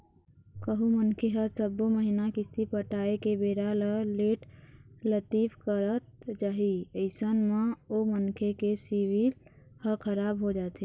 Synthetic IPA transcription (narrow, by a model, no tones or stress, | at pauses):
kəɦumənkʰeɦəsəboməɦinakɪsipəʈaːekebeːɾaləleːʈlət̪iːfkəɾət̪̚d͡ʒaːɦiəɪsənmãomənkʰekesiwil | həkʰəɾaːbɦod͡ʒaːt̪e